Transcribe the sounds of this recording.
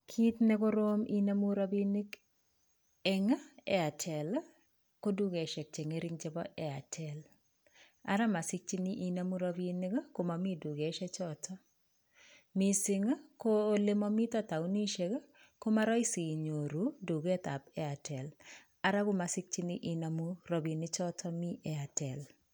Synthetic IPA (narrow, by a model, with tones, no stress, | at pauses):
kʰi˦t̪nɛ˦ko˦ɾo˦mi˦na˦mu˦ɾa˦bi˦nɪ˦k | ɛ˦ŋa˦ɛ˦a˨tʰɛ˨l | ko˦du˦ɡe˨ʃɛ˨k̚t͡ʃe˨ŋe˦ɾɪ˦ŋt͡ʃɛ˦bɔ˦ʔɛ˨a˨tʰɛ˨l | a̰˨ɾa˦ma˨sɪ˦k̚t͡ʃi˦ni˦ʔi˦na˦mu˦ɾa˦bi˦ni˦kko˦ma˨mi˦du˨ɡe˨ʃɛ˦t͡ʃɔ˦tɔ˦ | mi˦sɪ˦ŋ˦ko˦le˦mɔ˦mi˦t̪ɔ˦t̪a˨u˦ni˦ʃe˦ɡ | ko˦ma˦ɾɔ˦i˦si˨ɲo˨ɾu˨du˨ɡɛ˦t̪a˨pɛ˦a˨tʰɛ˨l | a˦ɾa˦ɡʊ˦ma˨sɪ˦k̚t͡ʃi˦ni˦ʔi˦na˨mu˦ɾɔ˨bi˨nɪ˦t͡ʃɔ˦tʰɔ˦mi˦ʔɛ˨a˨tʰɛ˨l